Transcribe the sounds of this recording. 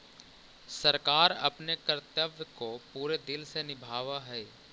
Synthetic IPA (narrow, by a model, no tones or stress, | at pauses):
sɐɾkaːɾɐ̰pnekəɾt̪jəbjəkopuːɾed̪ɪlsenɪbʱaːʋaɦɛː